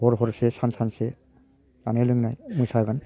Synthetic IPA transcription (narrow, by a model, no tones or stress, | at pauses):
bɔɾɦɔɾsesansanse | anelɯŋnajmujsaɡan